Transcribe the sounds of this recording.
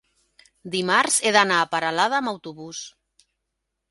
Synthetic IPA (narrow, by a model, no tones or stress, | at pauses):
d̪imaɾzeðanaːpaɾalað̞aːmawt̪uβus